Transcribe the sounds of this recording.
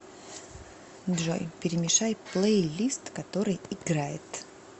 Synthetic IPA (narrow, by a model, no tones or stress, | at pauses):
dʐo̰jpʲɪɾʲɪmʲɪʂajplˠejlʲist̪kɐt̪o̞ɾɨjɪɡɾajɪt̪